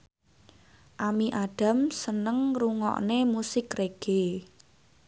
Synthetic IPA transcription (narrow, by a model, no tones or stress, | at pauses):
ʔamiʔaɖ̥a̤msənəŋruŋɔ̰ʔnemusɪkreɡ̥e